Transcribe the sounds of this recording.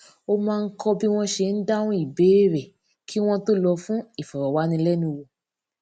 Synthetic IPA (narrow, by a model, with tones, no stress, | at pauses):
o˧mãː˦˧n̩˦kɔ˧bi˦w̃ɔ̃˦ʃe˧˨n̩˦da˦wũ˦i˦˨be˨˦ɾɛ˨ | kʰi˦w̃ɔ̃˦to˦lɔ˧fũ˦i˦˨fɔ˨ɾɔ˨wa˨˦nĩ˧˦lɛ˦nũ˧wo˧˨